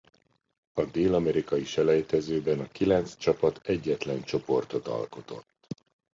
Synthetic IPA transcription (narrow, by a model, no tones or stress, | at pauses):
ɒd̪eːlɒmɛɾikɒjiʃɛlɛjt̪ɛzøːbɛnɒkilɛnt̪t͡st͡ʃɒpɒt̪ɛɟːɛt̪lɛnt͡ʃo̞po̞rt̪o̞t̪ɒ̰lko̞t̪o̞̰t̪ː